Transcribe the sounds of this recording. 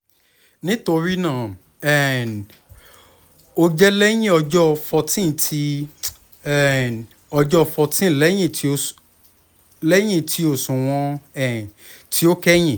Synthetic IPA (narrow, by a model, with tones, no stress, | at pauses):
nĩ˦to˧ɾi˦nãː˦˨ | ɛ˨n | o˧˦d͡ʒɛ˦lɛ˦j̃ĩ˦ɔ˧d͡ʒɔ˦˧fɔ˧tĩ˦˨tʰi˧ | ɛ˨n | ɔ˧d͡ʒɔ˦˧fɔ˧tĩ˦˨lɛ˨˦j̃ĩ˦˨ti˧o˧ | lɛ˦j̃ĩ˦˨tʰi˧o˦˨sũ˨w̃ɔ̃˧ɛ˨ | ti˦o˦kɛ˦j̃ĩ˦˨